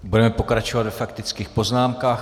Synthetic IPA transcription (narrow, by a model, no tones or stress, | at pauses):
budɛmɛpo̞kɾat͡ʃovad̪vɛfakt̪ɪt͡skiːxpo̞znaːmkaːx